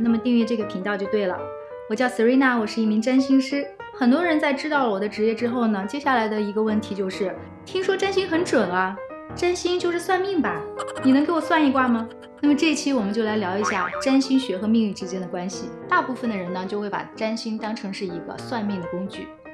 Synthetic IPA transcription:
na˥˩mə˩t̪i˥˧ŋɥi˥˧ʈ͡ʂɤ˥˩ɡə˩pʰi˧˥ŋt̪ɑ˥˧ʊt͡ɕjo˥˧t̪we˥˩ɪlə̰˩ | wɔ˨˩t͡ɕjɑ˥˩ʊsɹ̩˨˥we˥ɪna˥˩wɔ˨˩ʂɻ̩˥˧i˥˩mi˧˥ŋʈ͡ʂa˥nɕi˥ŋʂɻ̩˥ | xə˨˩nt̪wɔ˥ɻə˧˥nt͡sa˥˩ɪʈ͡ʂɻ̩˥t̪ɑ˥˩ʊlə˩wɔ˨˩d̪ə˦ʈ͡ʂɻ̩˧˥jɛ˥˩ʈ͡ʂɻ̩˥xo˥˩ʊnə˩t͡ɕjɛ˥ɕja˥˩la˧˥ɪd̪ə˧i˧˥ɡə˧wə˥˩nt̪ʰi˧˥t͡ɕjo˥˧ʊʂɻ̩˥˩ | t̪ʰi˥ŋʂwɔ˥ʈ͡ʂa˥nɕi˥ŋxə˧˥nʈ͡ʂwə˨˩nɐ˦ | ʈ͡ʂa˥nɕi˥ŋt͡ɕjo˥˧ʊʂɻ̩˥˧swa˥˧nmi˥˩ŋbɐ˩ni˨˩˧ŋke˧˥ɪwɔ˨˩swa˥˩ni˧˥kwa˥˩mɐ˩ | na˥˩mə˩ʈ͡ʂɤ˥˧i˧t͡ɕʰi˥wɔ˨˩mə˦t͡ɕo˥˩la˧˥ɪljɑ˧˥ʊi˧˥ɕja̰˥˩ʈ͡ʂa˥nɕi˥ŋɕɥɛ˧˥xɤ˧˥mi˥˧ŋli˥˩ʈ͡ʂɻ̩˥t͡ɕjɛ˥nd̪ə˨˩kwa˥nɕi˨t̪a˥˧pu˥˩fə˩nd̪ə˩ɻə˧˥nə˧t͡ɕjo˥˧ʊxwe˥˩ɪpa̰˨˩ʈ͡ʂa˥nɕi˥ŋt̪ɑ˥ŋʈ͡ʂʰɤ˧˥ŋʂɻ̩˥˩i˧˥ɡə̰˧swa˥˧nmi˥˩ŋd̪ə˩kʊ˥ŋt͡ɕy̰˥˩

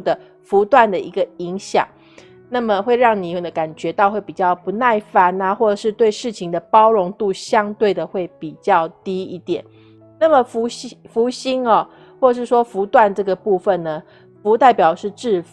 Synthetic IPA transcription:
d̪ə˩ | fu˧˥t̪wa˥˩nd̪ə˨i˧˥ɡə˨i˧˥ŋɕjɑ̰˨˩˦ŋ | na˥˩mə˨xwe˥˧ɪɻɑ˥˩ŋni˨˩˨d̪ə˩ka˨˩nt͡ɕɥɛ˧˥t̪ɑ˥˧ʊxwe˥˩ɪpi˨˩t͡ɕjɑ˥˩ʊpu˧˥na˥˩ɪfa˧˩na˧xwɔ˥˩ʈ͡ʂə˨˩ʂɻ̩˥˧t̪we˥˧ɪʂɻ̩˥˩t͡ɕʰi˧˥ŋd̪ə˨pɑ˥ʊɻo˧˥ŋt̪u˥˧ɕjɑ˥ŋt̪we˥˩ɪd̪ə˩xwe˥˩ɪpi˨˩t͡ɕjɑ˥˩ʊt̪i˥ḭ˥˩t̪jɛ˨˩˦n | na˥˩mə˩fu˧˥ɕfu˧˥ɕi˥nɐ˨ | xwɔ˥˩ə˨˩ʂɻ̩˥˩ʂwɔ˥fu˧˥t̪wa˥˧nʈ͡ʂɤ˥˩ɡə˩pu˥˧fə˨nnə˩ | fu˧˥t̪a˥˩ɪpjɑ˨˩ʊʂɻ̩˥˧ʈ͡ʂɻ̩˥˩

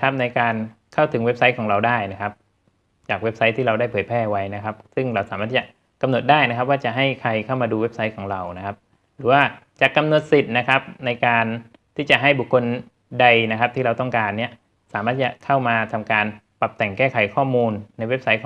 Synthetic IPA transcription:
kʰa˦˥p̚na˧jkaː˧nkʰa˥˩wt̪ʰɯ˨˩˦ŋwe˦˥p̚sa˦˥jkʰɔː˩˦ŋɾa˧wdaː˥˩jna˦˥kʰa˦˥p̚ | t͡ɕaː˨˩k̚we˦˥p̚sa˦˥jt̪ʰiː˥˩ɾa˧wdaː˥˩jpʰɯː˩j̚pʰɛː˥˩wa˦˥jna˦˥kʰa˦˥p̚sɯ˥˩ŋɾa˧wsaː˨˦maː˥˩t̪iː˩t͡ɕa˨˩ | ka˧mno˨˩t̪̚daː˥˩jna˦˥kʰa˦˥p̚waː˥˩t͡ɕa˨˩ɦa˥˩jkʰa˧jkʰa˥˩wmaː˧duː˧we˦˥p̚sa˦˥jkʰɔː˩˦ŋɾa˧wna˦˥kʰa˦˥p̚ | ɾɯː˩˦waː˥˩t͡ɕa˨˩kːa˧mno˨˩t̪̚si˨˩t̪̚na˦˥kʰa˦˥p̚na˧jkaː˧n | t̪ʰiː˥˩t͡ɕa˨˩ʔɦa˥˩jbu˨˩kʰːo˧n | da˧jna˦˥kʰa˦˥p̚t̪ʰiː˥ɾa˧wt̪ɔ˥˩ŋkaː˧nːi˦˥˩ɐ | saː˨˦maː˥˩t̪̚ːt͡ɕa˨˩kʰa˥˩wmaː˧t̪ʰa˧mkaː˧npa˨˩p̚t̪ɛ˨˩ŋkɛː˥˩kʰa˨˩˦jkʰɔː˥˩muː˧nːa˧jwe˦˥p̚sa˦˥jkʰː

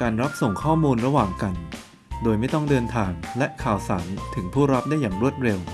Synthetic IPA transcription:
kaː˧nɾa˦˥p̚so˨˩ŋkʰɔː˥˩muː˧nɾa˧waː˨˩ŋka˧n | doː˧jma˥˩jt̪ɔ˥˩ŋdɤː˧nt̪ʰaː˧ŋlɛ˦˥ʔkʰaː˨˩wsaː˩˦nt̪ʰɯ˩˦ŋpʰuː˥˩ɾa˦˥p̚daː˥˩jːaː˨˩ŋɾu˥˩ət̪̚ɾe˧w

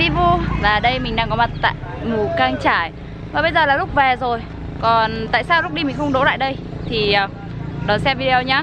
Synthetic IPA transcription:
i˧vu˧laː˨˩ɗə˧jmï˨˩ŋ̟ɗaː˧ŋkɔ˨˦ma˨˩t̚t̪a̰ː˧˨jmu˧˩kaː˧ŋt͡ɕaː˧˩˨j | vaː˨˩ɓə˧jzəː˨˩laː˨˩lʊ˦˥k͡p̚vɛ˨˩zo˨˩j | kɔ˨˩nt̪a̰ː˧˨jsaː˧wlʊ˦˥k͡p̚ɗi˧mï˨˩ŋ̟xə˧ŋ͡mɗo̰˧˦la̰ː˧˨jɗə˧jt̪ʰi˨˩əː˨˩ | ɗɔ˨˦sɛ˧mvi˧ɗe˧ə˧wɲaː˨˦

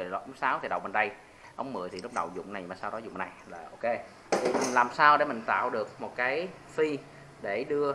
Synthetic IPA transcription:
lʔʊ˨˦ŋ͡msaː˨˦wt̪ʰi˨˩ɗə˨˩w̚ɓe˨˩nɗə˧j | ʔə˧wŋ͡mmɨ̰˧˨əjt̪ʰi˨˩lʊ˦˥k͡p̚ɗə̰˨˩wzʊ̰˧˨ŋ͡mna˨˩jmaː˨˩saː˧wɗɔ˨˦zʊ̰˧˨ŋ͡mna˨˩jlaː˨˩ʔo˧ke˧ | t̪i˨˩mi˨˩ŋlaː˨˩msaː˧wɗe˧˩mï˨˩ŋ̟t̪a̰ː˧˨wɗɨ˨˩ək̚mo˨˩t̚kaː˨˦j | fi˧ | ɗe˧˩ɗɨ˧ə

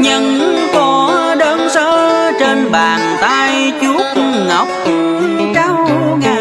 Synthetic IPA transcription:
ɲə˧nkɔ˨˦ɗəː˧˦nsəː˧t͡ɕe˧nɓaː˨˩nt̪aː˧j | t͡ɕu˦˥ət̚ | ŋə˨˩wk͡p̚ | t͡ɕa˧wŋaː˨˩

